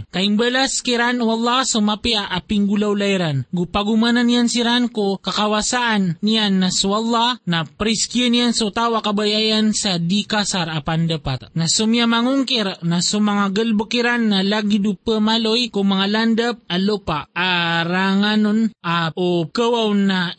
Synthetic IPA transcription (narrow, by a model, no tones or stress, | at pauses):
kaimbəlaskiɾanwɑlˠːɑhsumapiaʔapiŋɡulawlajɾanɡupaɡumananjansiɾankokakawasaʔanːijanːaswalˠːanapɾiskjunijansaut̪awakabajaʔansad̪ikasaɾapand̪apat̪nasumiamaŋuŋkɪɾnasumaŋaɡəlbokiɾanːalaɡid̪upəmalojkʊŋmaŋaland̪əp̚alopaʔaɾaŋanonaʔokəwawna